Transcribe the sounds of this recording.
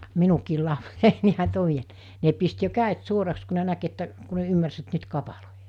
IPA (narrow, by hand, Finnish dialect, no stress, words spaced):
minukiːl lɑpsei ne pist jo kæˑet suorɑks ku ne næk etːæ ku ne ymːærs et nyt kɑpɑloijɑ̥ː